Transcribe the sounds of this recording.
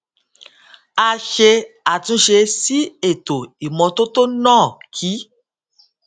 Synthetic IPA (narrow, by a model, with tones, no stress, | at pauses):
a˧ʃe˧a˨tũ˧˦ʃe˧si˦e˦˨to˨i˨mɔ̃˨˧to˦to˦nãː˦˨kʰi˨˦